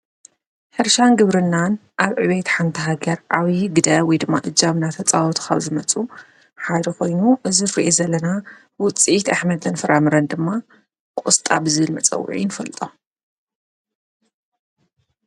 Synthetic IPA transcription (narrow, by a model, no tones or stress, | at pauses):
ħɨɾʃanɡɨβɾɨnːanʔaβʕɨβejt̪ħant̪ʰɐɦaɡɐɾʔaβiɡɨd̪ɐwɔjd̪ɨmːaʔɨd͡ʒːaβnat̪ʰɐt͡sʼawɔt̪ʰkʰa̰βzɨmɐt͡sʼu | ħad̪ɐko̞jnuʔɨzɨɾɾiʔezɐlːɐna | wʊt͡sʼit̪aħmɐd̪ʰɨnfɨɾamɨɾɐnd̪ɨmːa | kʷʼʊst̪ʼa̰bɨzɨβɨlmɐt͡sʼɐ̰w̰ːʕḭnɨfɐlt̪ʼo